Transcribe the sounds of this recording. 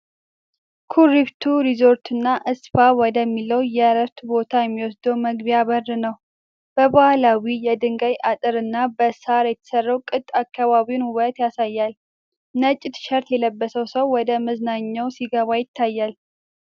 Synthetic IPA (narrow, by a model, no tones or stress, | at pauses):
kʰuɾiβt̪ʰuɾizo̞ɾt̪ɨnːaʔɨsfawɔd̪əmːiləwjɛɾəft̪ubo̞t̪ʰajɛmːiwɔsd̪owməɡbijaβərːɨnəw | b̥əbahlawijɛd̪ɨŋɡajʔat̪ʼɨɾɨnːabəsaɾjɛt̪ʰə̥sərːəwkʼɨt̪ʼːakːaβaβiwnhuwət̪jasajːal | nət͡ʃʼːɪt̪ʃəɾt̪jɛləbːəsəwsəwːɔd̪əməznaɲːawsiɡəβajɪt̪ʰːajːal